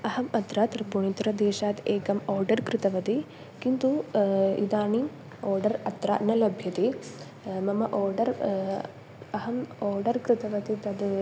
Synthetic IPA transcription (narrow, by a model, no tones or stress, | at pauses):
ɐɦɐmɐt̪ɾaːt̪ɐɾpuɳit̪uɾɐd̪eːʃaːt̪eːkɐmoːɾɖɐɾkɾɪt̪ɐʋɐt̪i | kint̪uḭd̪aːɳi | oːɾɖɐɾɐt̪ɾa̰ːnɐlɐbʱjɐt̪i | mɐmɐʔoːɾɖɐɾ | ɐɦɐmoːɾɖɐɾkɾɪt̪ɐʋɐt̪it̪ɐd̪